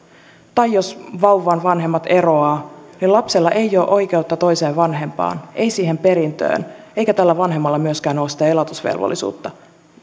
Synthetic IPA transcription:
t̪ɑjːosʋɑwʋːɑːnʋɑnɦe̞mːɑt̪e̞ɾo̞ɑːnilɑpselːɑʔe̞jo̞ːʔo̞jk̟e̞uwt̪ːɑt̪o̞jse̞ːʋʋɑnɦe̞mpɑ̰ːne̞jsiːhe̞mpe̞ɾint̪ø̰ːne̞jkæt̪ælːæʋɑnɦemːɑlːɑmyøskæːno̞ːsit̪æelot̪usʋḛlʋo̰lːisṵːt̪ːɑ

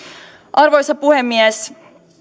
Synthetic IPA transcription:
ʔɑrʋo̞jsɑpuhemːiɛs

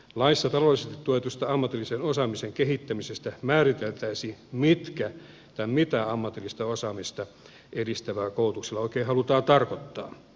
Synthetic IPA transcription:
lɑisːɑt̪ɑlolːˑisest̪i̥t̪t̪uoet̪ust̪ɑɑmːɑt̪ilːisenosɑmiseŋkeɦit̪ːæmisest̪æmæːrit̪elt̪æisiːmit̪kæ | t̪ɑmit̪æɑmːɑt̪ilːist̪ɑosɑmist̪ɑ | ʔedist̪æʋæːkout̪ukselːɑoikeːhɑlut̪ɑːt̪ɑrkot̪ːɑ̰ː

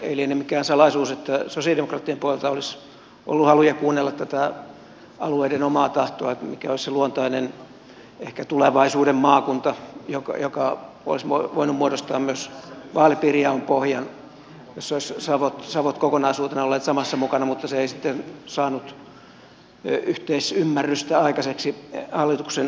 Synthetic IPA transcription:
ḛilienemikæːnsɑlɑisuːset̪ːæsosiɑldemokrɑːt̪ːiempuolelt̪ɑolis | ʔo̰lːuhɑlujɑkuːnːelːɑt̪tæt̪æ | ɑlueidenomɑːt̪ɑht̪oɑet̪mikæolisseluont̪ɑinen | ehkæt̪uleʋɑisuːdemmɑːkunt̪ɑjokɑ̰jokɑ | o̰lismoʋoinummuoɾost̪ɑːmmyøsʋɑːlipirjɑompohjɑn | josːolissɑːʋot̪sɑʋot̪kokonɑisuːt̪enɑolːeːt̪sɑmɑsːɑmukɑnɑmut̪ːɑseeisit̪ːensɑːnut̪ | yht̪eisymːærːyst̪æɑikɑseksihɑlːit̪uksen

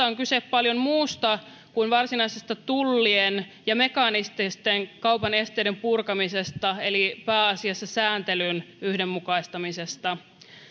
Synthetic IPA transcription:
æoŋkyseppɑljo̞mmuːst̪ɑ | kuinʋɑrsinɑisest̪ɑt̪ulːien | jɑme̞kɑnist̪ist̪eŋkɑwpɑne̞st̪ejde̞mpurkɑmisest̪ɑe̞lipæːɑsiɑsːɑsæːnt̪e̞lynyhde̞mːukɑist̪ɑmise̞st̪ɑ

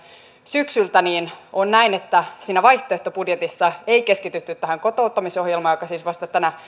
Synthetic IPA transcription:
syksylt̪æniːnonnæinet̪ːæsiːnæʋɑjht̪oeht̪opudjet̪isːɑeike̞skit̪yt̪ːyt̪ːæhæŋko̞t̪o̞ut̪ːɑmiso̞hjelmɑːjokɑsiːsʋɑst̪ɑt̪ænæ

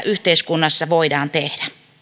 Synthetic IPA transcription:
ʔyht̪eiskunːɑsːɑʋoidɑːnt̪ehd̥æ

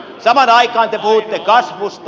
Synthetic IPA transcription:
sɑmɑnɑikɑːnt̪epuhut̪ːekɑsʋust̪

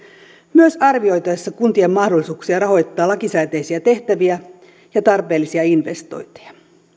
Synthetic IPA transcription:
myøsɑrʋio̞jt̪ɑjɑsːɑkunt̪iemːɑhdolːˑisuːksiɑrɑho̞jt̪ːɑːlɑkisæːt̪ejsiæt̪e̞ht̪æʋiæ | jɑt̪ɑrpeːlːisiɑinʋe̞st̪o̞̰jnt̪e̥jɑ

